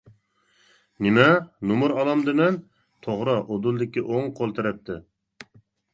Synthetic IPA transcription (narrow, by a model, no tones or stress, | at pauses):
nɪmɛnumuɾɑlˠɑmd̪ɨmɛn | t̪ʰoʁɾɑʔod̪ulˠd̪ɪkʲiʔoŋqʰolˠt̪ʰɨɾɛp̚t̪ʰɪ